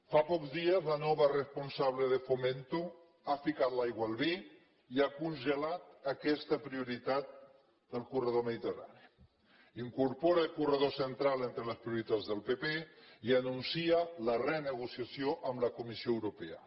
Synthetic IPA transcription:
fapɔkzðiəzlənɔβərəspunsaβ̞ləðəfoment̪u | afikat̪lajɣwalˠβi | iakunʒəlat̪̚əkɛst̪əpɾiuɾit̪at̪̚ | d̪əlˠkurəðoməðit̪əra̰ni | iŋkuɾpoɾəːlˠkurəðosənt̪ɾalent̪ɾələspɾiuɾit̪ad͡zðəlˠpepeiənunsiələrənəɣusiasjoʔəmləkumisioəwɾupeə̰

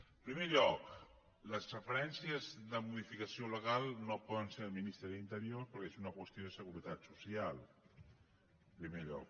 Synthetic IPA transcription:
pɾimeʎɔk | ləsrəfəɾɛnsjəzðəmuðifikasjoləɣalˠnopɔðənseɾəlminist̪ɾəðint̪əɾjoɾpəɾkezunɐkwəst̪joðəsəɣuɾət̪at̪susjal | pɾimeʎɔ̰k̚

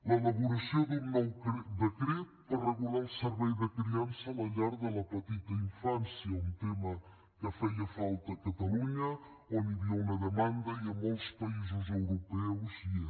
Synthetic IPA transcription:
ləelɐβuɾɐsiod̪ummɛwkɾd̪əkɾit̪ | ərəɣulalˠsəɾβɛjðəkɾiansɐmɐʎaɾðəlɐpət̪it̪ɐiɱfansjɐunt̪emɐ | kəfɛjɐfalˠt̪ɐːkɐt̪ɐluɲə | oniβiɐnɐðəmãnd̪ɐiəmolˠspɐizuzəwɾupɛwzi

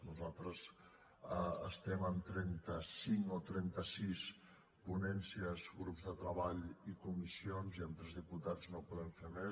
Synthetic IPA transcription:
nuzalˠt̪ɾəz | əə̰st̪ɛmənt̪ɾɛnt̪əsiŋot̪ɾɛnt̪əsis | punɛnsiəzɣɾupzðət̪ɾəβaʎikumisionziənt̪ɾɛzðiput̪ad͡znopuðɛɱfemɛ

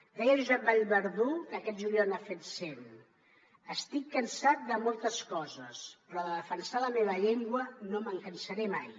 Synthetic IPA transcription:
d̪ɛjəʒuzɛp̚baʎβəɾðukəkɛt̪̚ʒuliɔnafet̪sen | əst̪ikːənsat̪̚d̪əmolˠt̪əskɔzəspɾɔðəðəfənsaləmeβ̞əʎeŋɡwənoməŋkənsəɾemaj

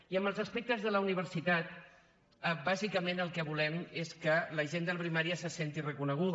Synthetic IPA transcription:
iəmbəlˠzəspek̚t̪əzðələuniβ̞əɾsit̪at̪̚ | əbazikəmenəlˠkɛβulɛmeskələʒend̪əlpɾimaɾiəsəsent̪irəkunəɣ̞uð

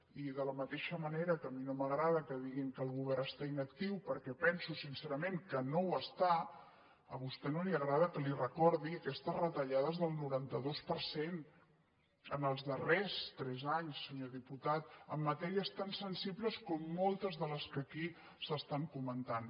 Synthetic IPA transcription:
iðələmət̪eʃəməneɾəkəminoməɣɾaðəkəðiɣiŋkəlˠɣuβ̞ɛɾəst̪ainək̚t̪iwpəɾkɛpɛnsusinseɾəmẽŋkənowəst̪a | əβust̪ɛnoliəɣɾaðəkəlirəkɔɾðiəkɛst̪əzrət̪əʎað̞əzðəlˠnuɾant̪əðospəɾsen | ənəlˠzðərɛst̪ɾɛzaɲsːəɲoðiput̪at̪əmːət̪ɛɾiəst̪ansənsibləskɔmːolˠt̪əzðələskəki | səst̪aŋkumənt̪an

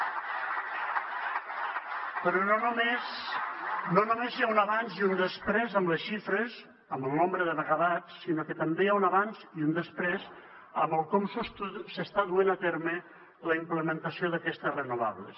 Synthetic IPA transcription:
pəɾononmes | nonomezjaunaβanziund̪əspɾɛzəmləsʃifɾəz | əməlˠnombɾəðəβəɣaðatsːinokət̪əmbejaunaβanziund̪əspɾez | əmbəlˠkɔmsust̪uðsəst̪aðuenat̪ɛɾmə | ləimpləmənt̪əsioðəkɛst̪əsrənuβ̞a̰βlə̰s

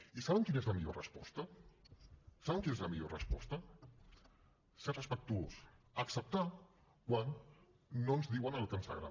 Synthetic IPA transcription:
isaβəŋkinezləmiʎo̰rə̰spɔ̰st̪ə | saβɛŋkinezləmiʎorə̰spɔst̪ə | sɛrəspək̚t̪uos | əksəp̚t̪a | kwanː | onzðiwanalot̪ɾinst̪a̰ɣɾa̰m

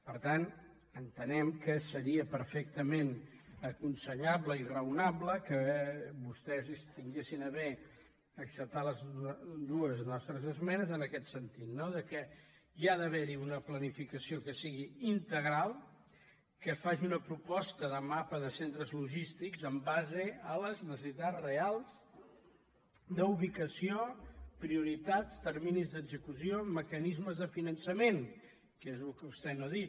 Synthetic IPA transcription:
pəɾt̪an | ənt̪ənɛmkəsəɾiəpəɾfɛk̚t̪əmen | əkunsəʎaβləirəwnabləkəβust̪ɛzist̪iŋɡesinəβe | əksəp̚t̪aləzd̪uəznɔst̪ɾəzəzmɛnəzənəkɛt̪sənt̪it̪noðəkɛ | iaðəβɛɾiunəplənifikəsiokəsiɣiint̪əɣɾalˠ | kəfaʒiunəpɾupɔst̪əðəmapəðəsent̪ɾəzluʒist̪ikzəmbazəələznəsəsit̪arealˠz | d̪əuβ̞ikəsiopɾiuɾit̪atst̪əɾminizðəɡzəkusioməkənizməzðəfinənsəmen | kezlkəβust̪ɛnoəðit̪

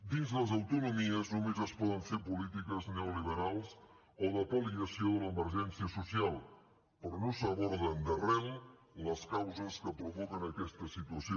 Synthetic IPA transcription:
d̪inzðləzəwt̪unumiəznumezəspɔðəɱfepulit̪ikəzneuliβ̞əɾalˠs | oðəpəliəsioðələːməɾʒɛnsiəsusialˠ | pəɾɔnosəβɔɾðənd̪ərɛw | ləskawzəskəpɾuβokənəkɛst̪əsit̪uəsio

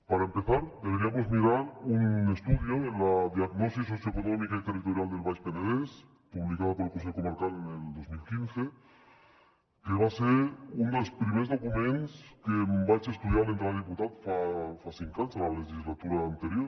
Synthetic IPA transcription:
paɾaempeθaɾd̪eβeɾiamozmiɾaɾunest̪uðjoenlaðiaɡnɔsis̬osjoekonɔmikait̪erit̪oɾjald̪elβajʃpenaðes | puβlikaðapoɾelkonseʎkumaɾkaleneld̪ozmilkinθe | keβ̞aseɾund̪elspɾimezðokumẽnskembajsest̪uðjaɾlent̪ɾalðiput̪at̪fafasiŋkanzalaleʒizlat̪uɾaːnt̪eɾjoɾ

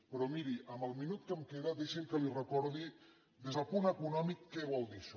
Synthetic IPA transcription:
pɾɔmiɾiʔəmbəlˠminut̪̚kəmkeðɐdeʃiŋkəlirəkɔɾði | d̪ezðəlˠpunəkunɔmikːɛβɔlˠd̪iʃ

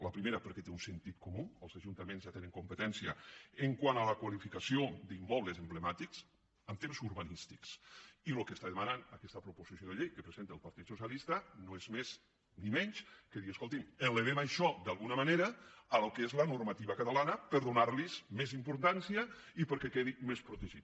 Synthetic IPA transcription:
ləpɾimeɾəpəɾkɛt̪eunsent̪it̪̚komuəlˠzaʒunt̪əmenzʒjat̪enəŋkumpət̪ɛnsiəeŋkwanaləkwalifikasiod̪imːɔβlezəmblemat̪iks | əmt̪emzuɾβanist̪iksilokest̪aðemananəkɛst̪əpɾupuzisjoðeʎejkəpɾezent̪eəlˠpɐɾt̪it̪susjalist̪ənoezmez | nimɛɲskəðiiəskolˠt̪iməleβ̞emajʃɔd̪alˠɣunəmaneɾəːlokezlənuɾmat̪iβɐkat̪alanəpəɾðunaɾlizmezimpuɾt̪ansiə | ipəɾkɛkeðimespɾut̪eʒit̪

